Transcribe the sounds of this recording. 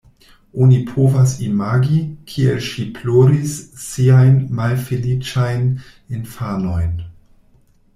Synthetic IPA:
onipʰovasimaɡikʰielʃiploɾisːiajnmalfelit͡ʃajn | infano̞jn

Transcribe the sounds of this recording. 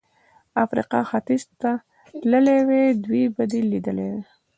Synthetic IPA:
afɾḭqɑ̰xat̪izt̪a | ləlewed̪wibad̪ilːid̪əlḛwe

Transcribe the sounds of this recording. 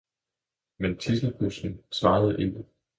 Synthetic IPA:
ment͡sʰisl̩høsn̩sʋɑ̈ːð̞̩ˠʔe̝ɡ̥ə

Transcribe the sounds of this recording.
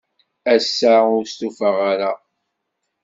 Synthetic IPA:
æsːaʊɾst̪ufəʁaɾa

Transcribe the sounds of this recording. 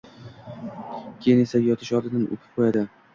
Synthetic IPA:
kʲʰejɪne̞sajɒt̪ʰɪʃɒd̪ɪnanʔo̰pʰɪ̥p̚qʰojad̪ɪ

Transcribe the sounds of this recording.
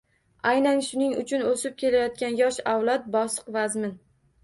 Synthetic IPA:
ajnanʃʊnɪŋʊ̰t͡ʃʰʊnosɪp̚kʲe̞lajɒt̪̚kʲanjɒʃawlˠɒt̪̚bɒsɨ̥qvazmɪn

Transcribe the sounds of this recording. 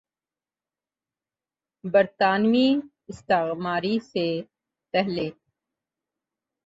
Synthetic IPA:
bɐɾt̪aːnmi | ɪst̪aɣmaːɾise | pɛɦle

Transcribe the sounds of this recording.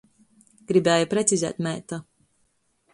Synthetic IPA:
ɡ̥ɾibɛːjapɾɛt̪sizɛ̰ːt̪mɛjt̪a

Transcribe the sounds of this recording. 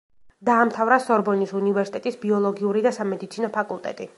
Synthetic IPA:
d̪aːmt̪ʰavɾasɔɾbɔnisunivɛɾsit̪ɛt̪ʼisbiɔlˠɔɡiuɾid̪asamɛd̪it̪sʰinɔpʰakʼulˠt̪ʼɛ̰t̪ʼi

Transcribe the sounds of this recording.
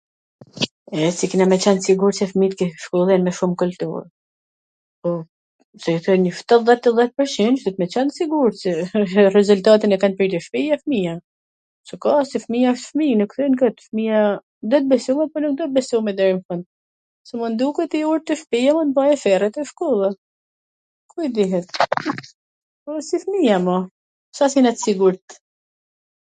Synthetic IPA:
ɛsikinamɛt͡ɕɛnsiɡuɾsɛfmit̪kɛʃkɔlˠɛnmɛʃumkult̪ṵɾ | pɔ | sɛθɛnɲəft̪at̪ðɛt̪ːəðɛt̪̚pəɾt͡ʃinʃd̪it̪mɛt͡ɕɛnsiɡuɾsɛrɛzult̪at̪inɛkanpɾit̪əʃpijafmija | sɛkasifmiaɔʃt̪fminukθɛnkət̪fmija | d̪ɔt̪̚bɛsumɛpɔnuk̚d̪ɔt̪̚bɛsumɛd̪ɛɾimfɔn | sɛmund̪ukɛt̪iuɾt̪əfpijamɔnbajɛfɛrɛt̪ɛʃkɔlˠa | kuid̪iɦɛt̪ | pɔsifmijamɔ | sasinɛt̪siɡuɾt̪

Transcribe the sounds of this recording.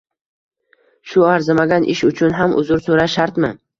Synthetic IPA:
ʃʊaɾzɪmaɡʲanʔɪ̰ʃʊt͡ʃʰʊnɦamʔʊ̰zʊɾsoɾaʃaɾt̪mɪ

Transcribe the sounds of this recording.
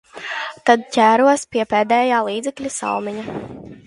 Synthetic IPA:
t̪ad̪̚cʲæːɾuɔspiɛpɛːd̪ɛːjaːlˠiːd̪zɛklʲisa̰wmiɲa

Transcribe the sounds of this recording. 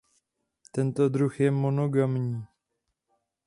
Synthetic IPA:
t̪ɛnt̪o̞d̪ɾuxjɛmo̞no̞ɡamɲiː

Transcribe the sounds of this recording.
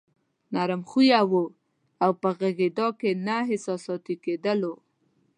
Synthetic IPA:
naɾɪmxujawo | awpəɣaɣid̪ɑkenaɦɪsɑsɑt̪iked̪əlo

